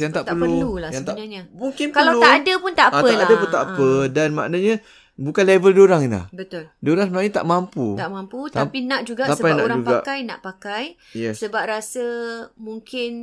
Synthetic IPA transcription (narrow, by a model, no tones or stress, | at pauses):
jaŋt̪aʔt̪əlpəululasjaŋt̪aɲaɲamuŋkɪnpkalawuaʔadəpʊnt̪aʔəʔadapunt̪aʔpədanma̰ʔnaɲa | bukanlevəldoɾaŋinla̰hbət̪ʊldoɾaŋsəmənaɲat̪a̰ʔmamput̪aʔmamput̪apinãʔd͡ʒuɡasaspajna̰ɾad͡ʒuɡpaaʔkajna̰ʔpakaj | jɛsəbap̚ɾasəmuŋkɪn